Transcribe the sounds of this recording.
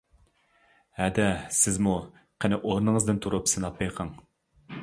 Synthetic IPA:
æd̪ɛsɪzmu | qʰənɪʔolˠnɨɴəzd̪ɨnt̪ʰuɾupsɨnɑpːɑjqʰɑŋ

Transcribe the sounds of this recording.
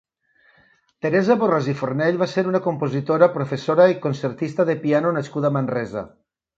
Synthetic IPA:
t̪eɾɛzaβorazifornɛʎβaseɾunakompozit̪oɾapɾofesoɾaikonseɾt̪ist̪ɐðepianonaskuðamanrɛza̰

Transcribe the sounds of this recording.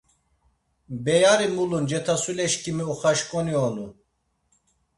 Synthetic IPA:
bɛjaɾimulund͡ʒɛt̪ʰasulɛʃkʰʼimiɔχaʃkʼɔniɔnu

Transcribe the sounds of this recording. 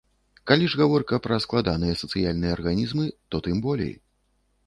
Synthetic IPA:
kalʲiʐɣavɔrkɐpɾɐsklˠad̪anɨjɛsɐt̪sɨjalʲnɨjɐːrɣanʲizmɨt̪ɔt̪ɨmbɔlʲḛj

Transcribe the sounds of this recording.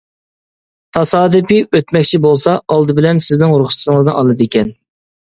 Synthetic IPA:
t̪ʰɑsɑːd̪ɨpiøt̪mɛk̚ʲt͡ʃʰibolˠsɑɑlˠd̪ɨbɪlɛnsɪznɪŋʊɾχʊ̥st̪ʰŋəznɨŋʔɑlˠɨd̪ɪkʲɛn

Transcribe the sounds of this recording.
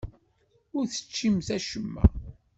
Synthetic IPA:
ʊɾθə̥t͡ʃːimθæʃəmːæ̰

